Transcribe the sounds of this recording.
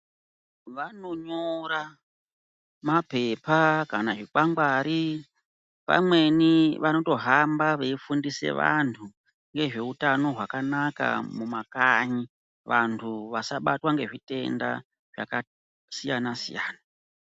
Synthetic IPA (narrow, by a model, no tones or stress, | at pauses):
ʋano̞ɲoɾa | mape̞pakanaʐikwaŋɡwaːɾi | pa̰mwe̞niʋano̞to̞ɦambaʋeifundise̞̰ʋa̰ntʰu | ŋɡe̞ʐe̞utano̞ɦwakanaka̰mumakaɲi | ʋantʰuʋasaɓatwaŋɡe̞ʐite̞nda̰ | ʐ̥a̰ka | sijanasḭjaːna